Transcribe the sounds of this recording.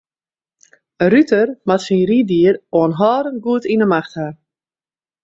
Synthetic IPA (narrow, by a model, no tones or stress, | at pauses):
ərytərmatsinridiəroənɦɔːɾənɡuətinəmaxtha